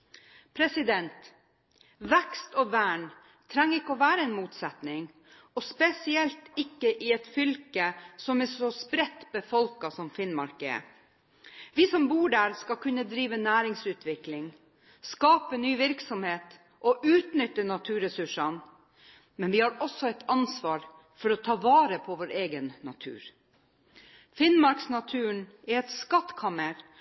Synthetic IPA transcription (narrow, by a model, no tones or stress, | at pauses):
pʰɾɛsɪd̪ɛnt̪ | ʋɛkst̪ɔʋæːɳ | t̪ʰɾɛŋːɪkːəɔːʋæːɾəɛnmuːt̪sɛt̪nɪŋ | ɔspɛsɪɛlt̪ɪkːəʔɪɛt̪fʏlkəsɔmɛsɔspɾɛt̪ːbəfɔlkɑsɔmfɪnmɑɾkə̰ə̰ | ʋiːsɔmbuːɖæːɾskɑkʰʉnːəd̪ɾiːʋənæːɾɪŋsʉːt̪ʰʋɪklɪŋ | skɑːpənyːʋɪɾksɔmheːt̪ | ʔɔʔʉːt̪nʏt̪ːənɑt̪ʰʉːɾɛsʉʂɑn | mɛnʋɪhɑɾɔsːɔɛɪt̪ʰɑnsʋɑːɾ | fɔɾɔt̪ʰɑːʋɑːɾəpʰɔʋoːɾeːɡənːɑ̰t̪ʰʉ̰ːɾ | fɪnmɑɾksnɑt̪ʰʉːɳʔɛɛt̪skɑt̪ːkʰɑməɾ